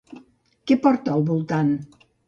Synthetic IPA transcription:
kepɔɾt̪alˠβulˠt̪an

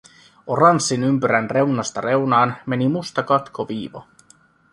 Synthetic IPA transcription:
orɑnsːinympyɾænre̞wnɑst̪ɑre̞wnɑːnme̞nimust̪ɑkɑt̪kʰoʋiːʋo̰

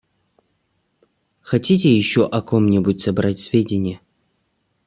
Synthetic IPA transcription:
xɐtʲitʲɪjɪɕːoʔɐkomnʲɪbutʲsɐbɾatʲsʲvʲedʲɪnʲɪjə

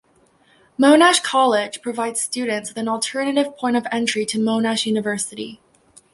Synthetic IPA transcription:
mõʊ̃næʃkʰɑlˠɪd̥ʒ̥pʰɹ̥ɨvaɪdz̥stʉdⁿn̩tswɨθɨ̃nl̩ˠtʰɜ˞nɨɾɨv̥pʰɔ̃ɪ̃ʌvɛ̃nt͡ʃɹ̥iɾɨmõʊ̃næʃjʉnɨvɜ˞sɨɾḭ

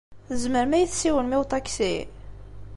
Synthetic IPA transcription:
θəzməɾmæjθsiwənmiwt̪ˤɑksi

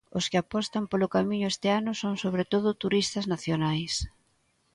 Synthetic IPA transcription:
ʊskɪapɔst̪ɐmpolʊkamiɲʊest̪ɪanʊsoŋsoβɾet̪oðʊt̪uɾist̪ɐznaθjonajs

